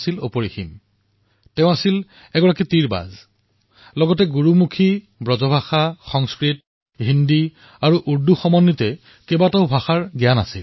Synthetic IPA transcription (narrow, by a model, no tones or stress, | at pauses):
silo̰poɹixim | tɛʊ̃asil | ɛɡɔɹakitiɹba̰z | lɔɡɔtɛɡuɹumukʰi | bɹɔzɔbʱaxaxɔŋskɹit̚ | ɦindi | aɹuʔuɹduxɔmɔnːitɛ | kebataʊbʱaxaɹɡijana̰sil